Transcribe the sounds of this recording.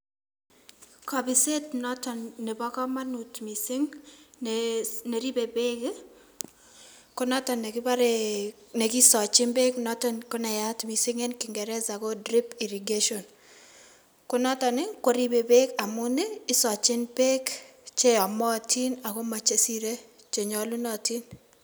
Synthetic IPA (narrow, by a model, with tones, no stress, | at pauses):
ka˨bɪ˨se˦tnɔ˦tɔ˨nne˨bɔ˦kɔ˦ma˦nutmi˨si˦ŋnene˨ɾi˦be˨be˦k | kʊ˦nɔ˦tɔ˨ne˨kɪ˦ba˦ɾe | ne˨ki˦sɔ˨t͡ʃɪ˦nbe˦knɔ˦tɔnkʊ˦nɛ˨ja˦tmi˨sɪ˦ŋe˦nkɪ˨ŋɡɛ˨ɾɛ˦sa˨ko˦dri˦pi˨ɾi˨ɡe˦ʃɔ˨n | kʊ˦nɔ˦tɔ˨nɪ˦ko˦ɾi˦be˨be˦ka˨mʊ˦ne˦ɪ˦sɔ˨t͡ʃɪ˦npe˦kt͡ʃe˦a˨mɔ˦˨ti˦na˨ko˦ma˨t͡ʃe˦si˦ɾe˦ | t͡ʃe˨ɲɔ˦lu˦nɔ˨ti˦n